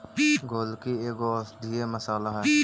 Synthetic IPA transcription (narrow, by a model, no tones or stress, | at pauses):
ɡoːlkieːɡosd̪ʱieməsaːlaɦɛ